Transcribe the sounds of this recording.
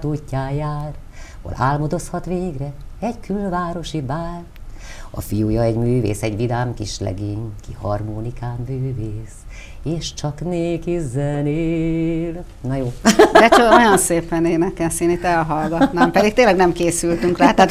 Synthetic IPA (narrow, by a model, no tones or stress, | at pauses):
t̪uːcːaːjaːr | ho̰la̰ːlmod̪oshɒt̪ʋeːɡrɛɛɟkylvaːɾo̞ʃibaːr | ɒ̰fijujɒɛɟmyːvḛːsɛɟʋid̪aːmkiʃlɛ̰ɡeːɲkihɒrmoːnikaːmːyːveːs | eːʃt͡ʃɒkneːkizɛneːl | nɒjoːd̪ɛt͡ʃoojɒnseːpɛneːnɛkɛseːnit̪ːɛlɦɒlɡɒt̪naːmpɛd̪ik̚t̪eːnlɛɡnɛmkeːsylt̪yŋkraːt̪aːt̪